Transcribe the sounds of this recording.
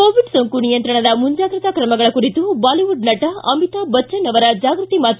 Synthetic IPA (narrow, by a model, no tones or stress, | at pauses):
koːʋiɖsɐŋkunijɐnt̪ɾɐɳɐd̪ɐmuɲd͡ʒaːɡɾit̪ɐkɾɐmɐɡɐɭɐkuɾit̪ubaːliʋuɖnɐʈɐɐmit̪abɐt͡ʃːɐnɐʋɐɾɐd͡ʒaːɡɾut̪imaːt̪